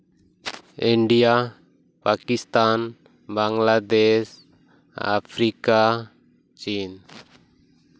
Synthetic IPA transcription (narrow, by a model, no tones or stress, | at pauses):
iɳɖija | pakist̪an | baŋlad̪es | a̰pʰɾika | t͡ʃin